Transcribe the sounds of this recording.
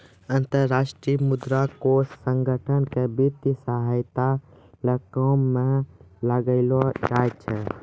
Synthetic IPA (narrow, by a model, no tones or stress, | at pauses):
ənt̪əɾːaːʃʈɾijmud̪ɾakosːə̃ŋɡʱəʈʰənkebit̪jsəɦajt̪a | ləkɔmːẽ | ləɡəɪlod͡ʒaːjt͡ʃʰɛ